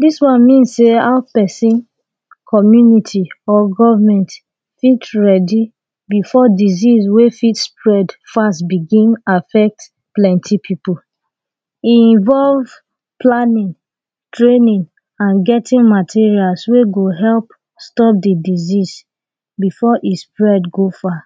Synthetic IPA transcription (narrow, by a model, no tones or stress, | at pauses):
diswãnmĩnsːeaʊpɛsĩn | kʰɔmjunitʰiɔɡɔvamɛ̃nt | fitɹɛdi | bifɔdiziswefitspɹɛdfastbiɡĩnafɛk̚t | plɛ̃ntʰipʰipul | iĩnvɔlv | planĩn | tɹẽnĩn | ãnɡɛtʰĩnmatʰiɹialsweɡoɦɛlp | stɔp̚didizis | bifɔʔispɹɛdɡofa